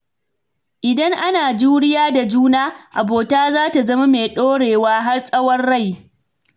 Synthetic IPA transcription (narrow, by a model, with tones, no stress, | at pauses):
ʔɪ˨dɐ˦ŋʔa˦naː˨d͡ʒuː˦ɽɪ˦jaː˦da˨d͡ʒuː˦naː˦ʔa˨boː˨taː˦zaː˦ta˨zɐ˦ma˦meː˨ɗoː˦ɽeː˨waː˦ɦa˦rsʼɐ˦wɐ˦rːa˦˨j